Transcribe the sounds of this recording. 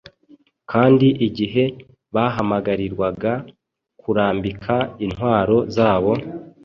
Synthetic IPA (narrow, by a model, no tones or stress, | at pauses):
kʰaːndiʔiɟiɦe̞ | βaɦamaɡaɾiɾwaɡa | kʰuɾaːmbikʰainhwaːɾo̞zaːβo̞